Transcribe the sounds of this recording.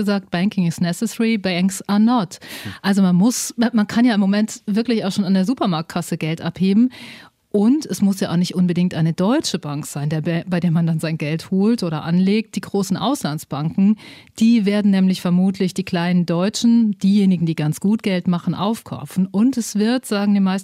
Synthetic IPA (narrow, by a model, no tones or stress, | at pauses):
əzaːk̚t̚b̥ɛŋkɪŋɪsnɛsɛsɛʁibɛŋksanɔtʔalzomanmʊsmankʰanjaːɪmːomɛntv̥ɪɐklɪçaʊxʃoːnandeːɐzuːpɐmaɐk̚t̚kʰasəɡɛltʔapheːbm̩ | ʔʊntɛsmʊsjaːaʊnɪçtʔʊnbədɪŋk̚tʔaɪnədɔʏt͡ʃəbaŋkz̥aɪndeːɐbaɪdeːɐmandanzaɪnɡɛlthoːltʔoːɾɐʔa̰nleːk̚t̚d̥iːɡʁoːsn̩ʔa̰ʊslansb̥aŋkŋ̩d̥iːveːɐdn̩nɛːmlɪçfɛɐmuːtʰlɪçd̥iːkl̥aɪnəndɔʏt͡ʃn̩d̥iːjeːnɪɡŋ̩diːɡant͡sɡ̥uːt̚ɡ̥ɛltmaχn̩ʔa̰ʊfkʰa̰ʊfn̩ʔʊntɛsv̥ɪɐtz̥aːɡŋ̩diːmaɪs